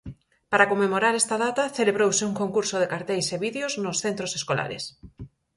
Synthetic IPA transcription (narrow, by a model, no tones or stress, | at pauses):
paɾakomːemoɾaɾɛst̪ɐðat̪ɐθeleβɾowsɪuŋkoŋkuɾsoðekaɾt̪ejseβiðjoznʊsθent̪ɾoseskola̰ɾḛs